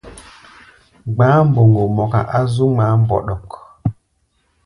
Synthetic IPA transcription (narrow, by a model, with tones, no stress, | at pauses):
ɡ͡baː˦m˦bo˨ŋɡo˨mɔ˨ka̰˨ʔa˦zu˦ma˨˦m˨bɔ̰˨ɗɔ˨k